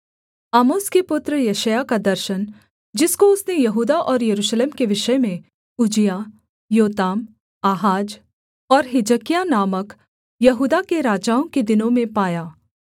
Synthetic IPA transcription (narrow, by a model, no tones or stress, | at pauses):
aːmoːskepʊt̪ɾəjɐʃəjakad̪ɐɾʃən | d͡ʒɪskoʊsnejɐɦuːd̪aʔɔːɾjɐɾuːʃleːmkeʋɪʃəmẽ | ʊd͡ʒija | joːt̪aːm | aːɦaːd͡ʒ | ɔːɾɦɪd͡ʒəkijanaːmək | jɐɦuːd̪akeɾaːd͡ʒaːõked̪ɪnõmẽpaːjaː